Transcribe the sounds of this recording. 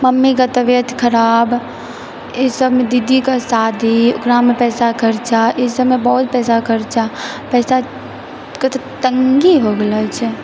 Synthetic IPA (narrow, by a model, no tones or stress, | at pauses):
məmːikət̪əʋjət̪kʰəɾab | esəbmed̪id̪ikasad̪ʱiokɾamːepɛːsakʰəɾt͡ʃaʔesəbmebəɦut̪pɛːsakʰəɾt͡ʃa | pɛːsa | ket̪t̪əŋɡiɦoɡelat͡ʃʰ